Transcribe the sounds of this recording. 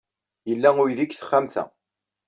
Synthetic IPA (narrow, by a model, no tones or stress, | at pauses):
jəlːæʊiðikθə̥χːamθæ̰